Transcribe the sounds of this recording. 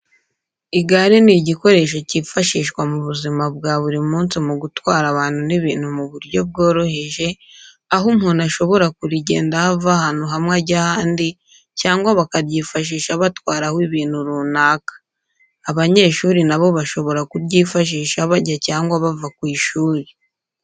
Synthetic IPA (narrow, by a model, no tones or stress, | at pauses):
iɡaɾeniɟiko̞ɾe̞ʃacifaʃiːʃkwamuβuzimab̚ɡaβuɾimuːnsimuɡutwaːɾaβaːn̥huniβiːn̥humuβuɾɟo̞b̚ɡo̞ːɾo̞he̞ʒe̞ | aɦumhuːnaʃo̞βo̞ɾakuɾiɟe̞̰ːndahavahaːn̥uɦamŋeɟahaːndi | caːŋɡwaβakaɾɟiːfaʃ̬iːʃaβatwaːɾahwiβiːn̥huɾunaːkḁː | βaɲe̞ːʃuːɾinaβo̞βaʃo̞βo̞ɾakuɾɟiːfaʃ̬iːʃaβaɟacaːŋɡwaβavakwiːʃuːɾi